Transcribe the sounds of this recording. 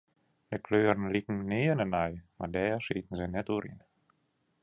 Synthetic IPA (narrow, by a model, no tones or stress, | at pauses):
dəkløːɾən̩likn̩neːənənajma̰dɛːrsiːtən̩zənɛtuːɾḭn